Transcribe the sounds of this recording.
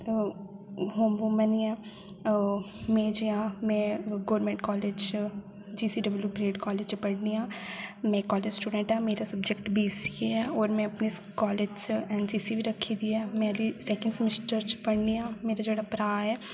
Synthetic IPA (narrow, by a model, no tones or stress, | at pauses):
ɦoːmʋʊməniɛː | mɛ̃ːd͡ʒiãmɛ̃ːɡoːɾmẽːɳʈkɔːled͡ʒ | d͡ʒiːsiːɖɪʋljupɾeːʈkɔːleːd͡ʒt͡ʃpəɽniãːmɛ̃kɔːleːd͡ʒsʈuːɖə̃ɳʈɛːmeːɾasəbd͡ʒekʈbʱiːsiɛːɔːɾmɛ̃ɐpnikɔːleːd͡ʒsɛːnsiːsibiɾəkʰːid̪iɛːmɛ̃əlisɛːkə̃ɳɖsmɪsʈəɾt͡ʃpəɽniãːmeːɾad͡ʒeːɽapɾaːɛː